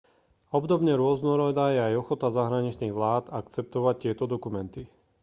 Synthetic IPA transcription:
ɔbd̪ɔbɲɛɾʊɔznɔɾɔd̪ajɛajɔxɔt̪azaɦɾaɲit͡ʃniːɣʋlaːt̪akt͡sɛp̚t̪ɔʋac̚tːɪɛt̪ɔd̪ɔkumɛnt̪i

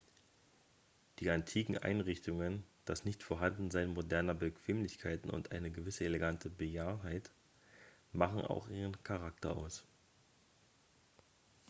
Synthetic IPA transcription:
d̥iːantʰiːkŋ̩ʔa̰ɪnʁɪçtʊŋənd̥asnɪçtfoːɐɦandn̩zaɪnmodɛɐnɐbəkʰv̥eːmlɪçkʰaɪtn̩ʔʊ̰ntʔaɪnəɡəvɪsəeleɡantʰəbəjaːɐɦaɪt | maχn̩a̰ʊxʔiːʁ̞ənkʰaʁ̞aktɐʔa̰ʊs

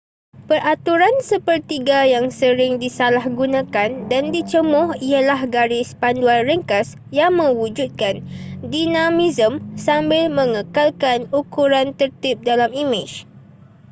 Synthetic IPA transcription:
pəɾʔat̪uɾansəpərt̪iɡajaŋsəɾɪŋdisalahɡunãkandandit͡ʃəmʊhialahɡaɾɪspanduanrəŋkas | jaŋmə̃wud͡ʒut̪̚kandinãmizəmsambɪlmə̃ŋəkalkanukuɾant̪ərt̪ɪp̚dalamimɪt͡ʃ

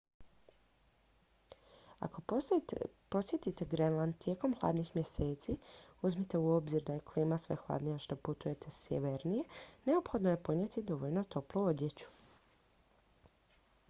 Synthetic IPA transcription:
a̰ko̞ | po̞sje̞t̪it̪eɡɾenlˠand̪̚t̪je̞ːko̞mxlˠa̰ːd̪nixmjese̞ːt̪siuzmit̪e̞uo̞bziɾd̪aje̞kliːmasʋe̞̰xlˠa̰ːd̪nijaʃt̪o̞put̪uje̞t̪e̞sjḛʋeɾnije̞ne̞opxo̞d̪noje̞po̞d̪ɲjet̪id̪o̞ʋoʎno̞t̪o̞pluod̪je̞t͡ɕu̥

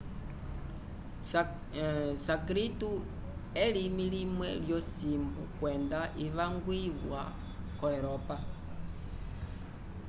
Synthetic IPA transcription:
sakɾitu | ɛlimilimwɛ̰ljɔsimbukwɛndaʔiʋaŋɡwiβwa̰ | kɔɛɾɔpa

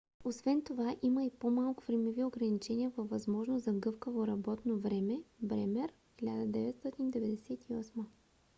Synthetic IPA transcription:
osvɛnt̪ovaʔiməipomalˠkʊ̥vɾɛmɛvioɡɾɐnit͡ʃɛnʲiəvɐvvːɐzmɔʒnoszɐɡɤfkəvoɾɐbɔt̪novɾɛmɛbɾɛmɛɾ | xʲilʲad̪əd̪ɛvɛt̪st̪ɔt̪ind̪ɛvɛd̪ɛsɛt̪iɔsmə

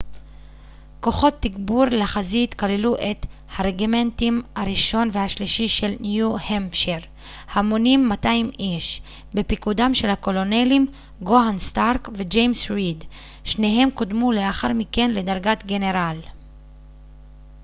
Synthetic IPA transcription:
ko̞χo̞t̪ːiɡbuɾlaχazit̪kaleluʔe̞t | haʁeɡime̞ntimhaʁiʃo̞nvehaʃliʃiʃe̞lnjuhemʃeʁ | hamo̞nimːataimiʃ | be̞pikudamʃe̞lhako̞lo̞ne̞lim | ɡoanst̪aʁkved͡ʒejmsʁid | ʃne̞ɦe̞mkodmuleaχaʁmike̞nle̞daʁɡat̪ɡe̞ne̞ʁal

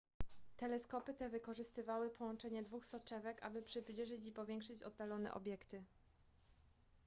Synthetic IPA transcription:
t̪ɛlɛskɔpɘt̪ɛvɘkɔʐɘst̪ɘvawɘpʰɔwɔnt͡ʂɛɲɛd̪vuxsɔt͡ʂɛvɛka̰bɘpʂɘplʲiʐɘt͡ɕipɔvʲjɛŋkʂɘt͡ɕɔ̰d̪ːalɔnɛ̰ʔɔ̰bʲjɛkt̪ɘ

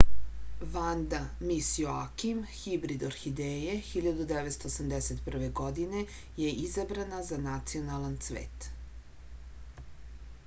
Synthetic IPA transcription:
ʋand̪amisjoakimxibɾid̪oɾxid̪ejexiʎad̪ud̪eʋe̞t̪st̪oːsamd̪eset̪pr̩ʋe̞ɡod̪ine̞ | je̞ʔizabɾanazanat̪sionalˠant̪sʋḛːt̪

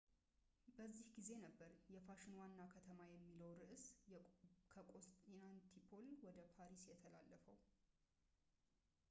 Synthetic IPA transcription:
bəzːihɡize̞nəbːəɾjɛfaʃɪnwanːakʰət̪ʰəmajɛmːiləwɾɨʔs | kʰəkʼost̪inant̪ʰipʰolwɔd̪əpʰaɾisjɛt̪ʰəla̰lːəfəw

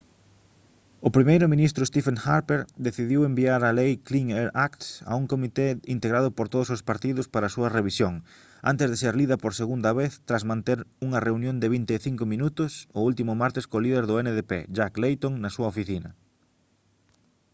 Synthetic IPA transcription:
ʊpɾimejɾʊmĩnist̪ɾʊest̪ifeŋxaɾpeɾd̪eθiðiwembiaɾɐlejkliŋeɾakt̪ɐ̰uŋkomit̪eint̪eɣɾaðʊpoɾt̪oðʊsʊspaɾt̪iðʊspaɾɐːsuɐreβisjoŋ | a̰nt̪ɪzðeseɾliðɐpoɾseɣund̪ɐβeθt̪ɾazmãnt̪eɾuŋɐreunjõnd̪ɪβ̞int̪eːθiŋkʊmĩnut̪ʊsʊult̪imʊmaɾt̪ɪskoliðeɾðʊɛneðepḛʃaklejt̪oŋnɐsuɐofiθinɐ̰

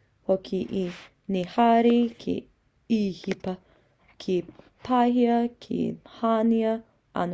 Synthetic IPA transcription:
hokʰiʔi | nehaɾikʰḛ | ihipɐ | kʰi | pʰaɦiɐkʰḭhaːniɐ | ʔɐ̰n

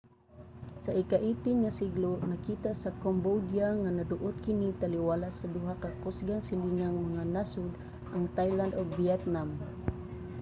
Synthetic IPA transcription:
saikaʔit̪iŋːasiɡluʔnakit̪asakombodiaŋanaduʔʊt̪̚kinit̪aliwalasaduɦakakɔsɡaŋsiliŋaŋmaŋanasʊd̪ | ʔaŋt̪ajland̪ɔɡviɛt̪nam

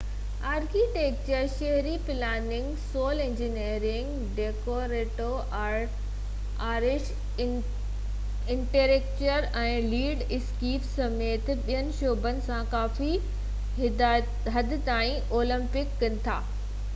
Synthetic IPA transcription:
aːɾkiːʈeːk̚t͡ɕəɾʃɐɦɾipɪlaːnɪ̃ŋɡsoːlẽɲd͡ʑineːɾɪ̃ŋɡ | ɖeːkoɾeːʈo | ʔa | aːɾɪʃ | ɪ̃ɳʈeɾeːk̚t͡ɕəɾ | ɛ̃ːliːɖɪskiːfsɐmeːt̪ɓiɦənɪ̆ʃoːbənɪ̆sãkaːfi | ɦɐd̪ʱɪ̆t̪aːĩʔoːlə̃mpɪkːɐnɪ̆t̪ʰaː

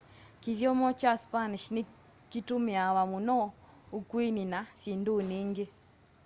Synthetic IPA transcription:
kiðjɔmɔt͡ʃaspaniʃne | kitumiawamunɔ | ukwininasindoniŋɡe

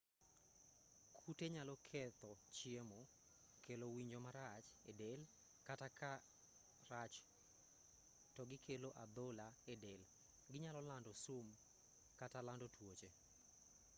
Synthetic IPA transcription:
kʰuteɲalɔkʰɛt̪ɔt͡ʃiemo | kelowiɲd͡ʒomaɾat͡ʃedel | kataka | rat͡ʃ | tɔɡɪkʰeloʔad̪ɔlaedɛl | ɡɪɲalɔlandɔsum | katalandɔtwot͡ʃe

